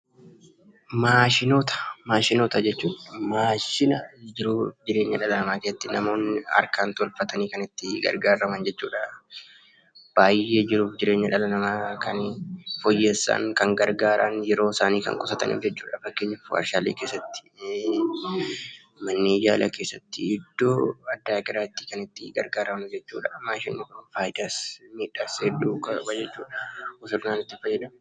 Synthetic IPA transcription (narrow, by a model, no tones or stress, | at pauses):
maːʃɪnoːt̪ɐ̥maːʃɪnoːt̪ɐd͡ʒɛt͡ʃːuːᶑmaːʃɪnɐd͡ʒɪɾuːfd͡ʒɪɾe̞ːɲːɐᶑɐlɐnɐmaːkesɐt̪ːɪnɐmo̞ːnːɪɐ̰ɾkaːnt̪ɔlfɐt̪ɐniːkɐnɪt̪ːɪɡɐ̰ɾɡaːɾːɐmɐnd͡ʒɛt͡ʃːuːᶑɐ | b̥aːje̞ːd͡ʒɪɾuːfd͡ʒɪɾe̞ːɲːɐᶑɐlɐnɐmaːkɐnfɔjːeːsːa̰ŋkɐŋɡɐɾɡaːɾʔɐ̰njɛɾo̞ːsaːniːkɐ̰ŋkʼʊsɐt̪ɐ̰nʔḭːfd͡ʒɛt͡ʃːuːᶑɐfɐkːe̞ːɲːɐfɐ̰ɾʃaːlḛːkeːsːɐt̪ːɪ̥ | mɐnːijaːlʔɐ̰ke̞ːsːɐt̪ːɪɪd̪ːoːɐd̪ːaːkʼɪɾaːɪt̪ːɪ̥kɐnɪt̪ːɪɡɐ̰ɾɡaːɾɐmnʊd͡ʒɛt͡ʃːṵːᶑɐmːaːʃɛnːɪkɾɔnfaːjd̪ɐsmiːᶑasɛduːkɐkɐjɛt͡ʃːuːᶑɐʊsʊɾnaːnɪt̪ːɪfɐjːɛd̪ɐ